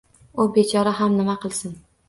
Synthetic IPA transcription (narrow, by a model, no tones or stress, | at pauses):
ʊbet͡ʃʰɒɾaɦamnɪmaqɨlˠsɪn